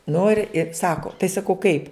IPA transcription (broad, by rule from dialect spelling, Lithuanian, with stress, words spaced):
ˈnʊ ɪr ɪ ˈsɑːkoː tɐɪ sɐˈkɐʊ kɐɪp